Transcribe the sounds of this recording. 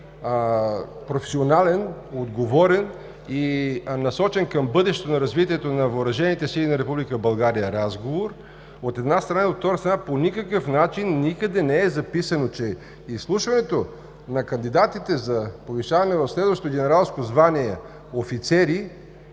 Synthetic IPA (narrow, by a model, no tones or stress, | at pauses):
pɾofɛ̥sionalɛnod̪ɡovɔɾɛn | inɐsɔt͡ʃɛnkəmbɤd̪ɛʃt̪t̪onɐɾɐzvit̪iɛt̪onɐvəːɾɐʒɛnit̪ɛsilinɐɾɛpublikəbɐlˠɡaɾijəɾazɡovoɾ | ot̪ɛd̪nast̪ɾɐnaot̪ft̪ːɔɾəst̪ɾɐnaponʲikəkəfnat͡ʃinːikəd̪ɛnɛɛzɐpisənot͡ʃɛ | islˠuʃvɐnɛt̪o | nɐkɐnd̪id̪at̪it̪ɛzɐpoviʃavɐnɛvɐfslɛd̪vɐʃt̪ot̪oɡʲɛnɛɾalˠskozvaniɛ | ofit̪sɛɾi